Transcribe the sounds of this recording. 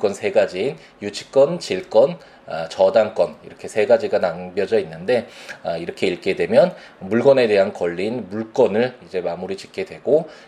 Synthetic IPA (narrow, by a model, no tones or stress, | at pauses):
k͈wʌnsʰe̞ɡad͡ʑiːn | jut͡ɕʰi̥k̚k͈ʌnt͡ɕiɭk͈ʌn | at͡ɕʌdaŋk͈ʌniɾʌkʰe̞sʰe̞ɡad͡ʑiɡanaŋbjʌd͡ʑʌinːɯnde̞ʌiɾʌkʰe̞iɭk͈e̞dwe̞mjʌnmuɭɡʌne̞de̞ɦankʌʎːinmuɭk͈ʌnɯɭid͡ʑe̞mamuɾit͡ɕi̥k͈ʰe̞dwe̞ɡo